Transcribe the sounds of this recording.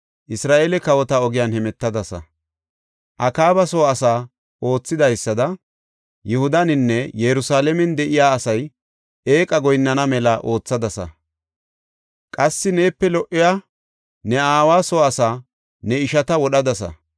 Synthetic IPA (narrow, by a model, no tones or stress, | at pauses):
ʔɪsɾaːʔeːlɛkɐwɔt̪ɐɔɡɪjanhɛmɛt̪ːɐd̪ɐsɐ̰ | ʔɐkaːbɐsoːɐsaː | ʔo̞ːt͡sːɪd̪ɐjsːɐd̪ɐ | jɪhʊd̪ɐnɪnːɛjɛɾʊsaːlɛmɛnd̪ɛʔɪjaːsɐj | ʔeːkʼɐɡɔjnːɐnɐmɛlɐʔo̞ːt͡sːɐd̪ɐsɐ̰ | kʼɐsːɪne̞ːpːɛlɔʔɪjaː | nɛaːwaːsoːɐsaː | nɛɪʃɐt̪ɐwɔɗɐd̪ɐsɐ̰